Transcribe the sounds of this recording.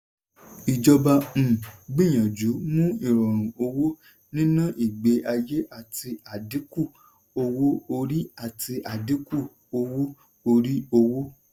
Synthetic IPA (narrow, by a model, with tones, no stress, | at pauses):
i˨d͡ʒɔ˧ba˧m̩̃˨ɡ͡bĩ˦˨j̃ã˨d͡ʒu˨˦mũ˦i˦˨ɾɔ˨ɾ̃ũ˨o˧wo˦ | nĩ˦nã˦ʔi˨ɡ͡be˧ʔa˧je˦ʔa˦˨tʰi˧a˨di˨˦ku˦˨ | o˧wo˦o˧ɾi˦a˦˨ti˧ʔa˨di˨˦ku˦˨ | o˧wo˦ | o˧ɾi˦o˧wo˦